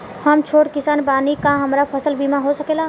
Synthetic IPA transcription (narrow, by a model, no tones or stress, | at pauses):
həmt͡ʃʰoɽkɪsaːnbaːnikaɦəmɾapʰəsəlbʱimaɦosəkela